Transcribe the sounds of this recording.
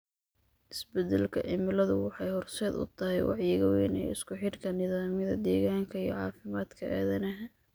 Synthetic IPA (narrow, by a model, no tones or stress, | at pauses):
ʔɪsbɛd̪ɛlkʰɐʔɪmɪlɐðʊwɑħɑjhɔrsɛːd̪ʊ̰t̪ʰɐɦɛjwɑ̰ʕjɪɣɐwɛ̰ːnɛ̰ːɪskʰʊħɪrkʰɐnɪðaːmjɐðɐ̰d̪ɛːɣaːŋkʰɐijɔʕɑːfɪmaːd̪kʰɐʔa̰ːðɐnɐɦɐ